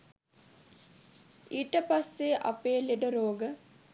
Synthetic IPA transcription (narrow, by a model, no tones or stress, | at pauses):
iːʈəpasːeʔɐ̰peːleɖəɾoːɡə